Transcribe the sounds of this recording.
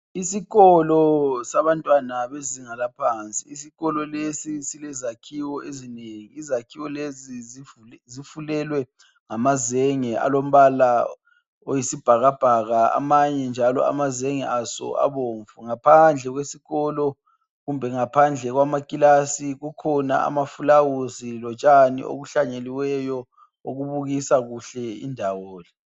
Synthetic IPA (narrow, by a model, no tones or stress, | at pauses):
isiɣɔlɔsaβantʼwanaβeziŋalapʰaːnt͡sʼḭːsiɣɔlɔlesisilɛzakʰiwɔezineŋiːzakʰiwɔlezizifzifulɛlwɛ | ŋamazɛŋɛʔa̰lom̩βala | ojisib̥ʱaɣab̥ʱaɣaa̰maɲɛnd͡ʒʱalɔ̰a̰mazeŋɛʔasɔ̰a̰βoːɱvuŋapʰand͡ɮʱɛɣwesiɣɔlɔ | ɣumbʱɛŋapʰand͡ɮʱɛɣwamakʼilasiɣukʰɔna̰a̰mafulawuzilɔt͡ʃʼanḭo̰ɣuɬaɲeliwɛjɔ | oɣuβuɣisaɣuɬɛḭndʱawɔːlɛ